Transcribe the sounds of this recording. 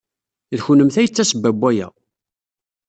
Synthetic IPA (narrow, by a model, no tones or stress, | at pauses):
ðçunəmθæjət͡sːæsəbːæbʷːæjæ̰